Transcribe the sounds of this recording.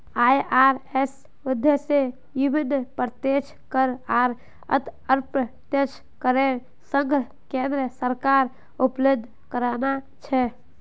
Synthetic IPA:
ajʔaɾes | ud̪ʱjəse | jibinəpəɾt̪jet͡ʃʰkəɾaɾ | ə̰t̪əɾpət̪jət͡ʃʰ | kəɾeɾ | səŋɡʱə | kẽnd̪ɾəsəɾkaɾ | upləd̪ʱ | kəɾana | t͡ʃʰɛ

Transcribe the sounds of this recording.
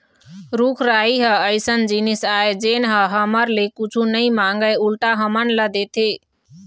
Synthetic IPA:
ɾukʰɾaiɦəəjsənd͡ʒinisaed͡ʒenɦəɦəməɾlekut͡ʃʰunəjmaŋɡəjulʈaɦəmənləd̪et̪ʰe

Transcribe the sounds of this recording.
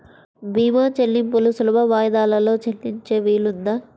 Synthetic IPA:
bʱiːmat͡ʃelːimpulusulɐbɐʋaːjd̪aːlɐlo̞ːt͡ʃelːiɲt͡ʃeːʋiːlund̪ɐ

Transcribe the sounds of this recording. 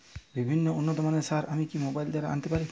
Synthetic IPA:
bibʱinːɔonːɔt̪ɔmanesaɾamikimobajld̪aɾaa̰nt̪epaɾi

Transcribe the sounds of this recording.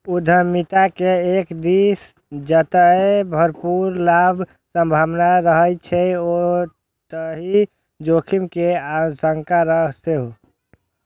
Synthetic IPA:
ud̪ʱəmit̪akeekd̪is | d͡ʒət̪əebʱəɾpuɾlabʱ | sə̃mbʱaʋnaɾəɦət͡ʃʰɛo | t̪əɦi | d͡ʒokʰimkeasəŋkaɾəseɦo

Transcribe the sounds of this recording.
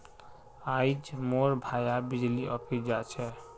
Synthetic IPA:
ajd͡ʒmoɾbʱajabid͡ʒliʔɔpʰisd͡ʒat͡ʃʰɛ

